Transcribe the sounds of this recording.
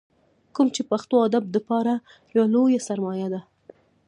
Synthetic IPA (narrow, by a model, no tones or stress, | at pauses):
kumt͡ʃepaxt̪oɑd̪ab̚d̪əpɑɾa | jawalojasaɾmɑjad̪a